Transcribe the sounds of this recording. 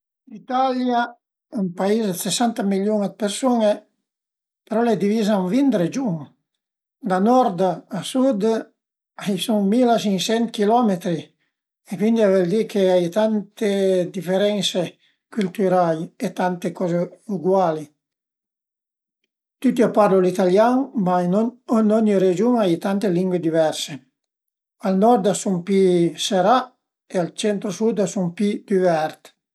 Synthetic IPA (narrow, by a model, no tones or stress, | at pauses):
lit̪alja | umpaizsesant̪amiljuŋd̪̚peɾsune | peɾɔled̪ivizaŋvind̪ɾed͡ʒuŋ | d̪anɔɾd̪aasud̪ | ajsuŋmilat͡ʃiŋsɛnt̪kilɔmet̪ɾi | ekwind̪iavɛld̪ikʰeajt̪ant̪ed̪ifeɾɛnse | kylt̪yɾajet̪ant̪ekɔzeuɡwali | t̪yt̪iapaɾlulit̪aljaŋmanɔnɔɲiɾed͡ʒuŋajt̪ant̪eliŋɡwed̪ivɛɾse | alnɔɾd̪asumpiseɾa | ealt͡ʃɛnt̪ɾosud̪asumpid̪̥yvɛɾt̪